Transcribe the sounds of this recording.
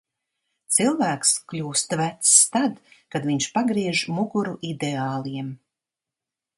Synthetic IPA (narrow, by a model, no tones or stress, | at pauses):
t̪silˠvæːksklʲuːst̪væt̪st̪ad̪kad̪viɲʃpaɡɾiɛʒmuɡuɾuʔid̪eaːlˠiɛm